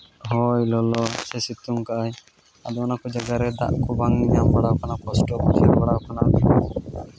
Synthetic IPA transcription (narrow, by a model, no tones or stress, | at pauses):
ɦɔjlɔlɔsɛsit̪uŋkaʔaj | ad̪ɔɔnakɔd͡ʒaɡaɾɛd̪a̰ʔkɔbaŋiɲambaɽawkanakɔsʈɔkɔt͡ʃʰɛɾbaɽakana